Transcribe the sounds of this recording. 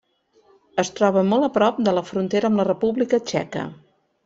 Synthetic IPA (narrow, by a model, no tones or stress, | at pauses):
əst̪ɾɔβəmolˠəpɾɔp̚d̪ələfɾunt̪eɾəːmlərəpuβlikət͡ʃɛ̰kə̰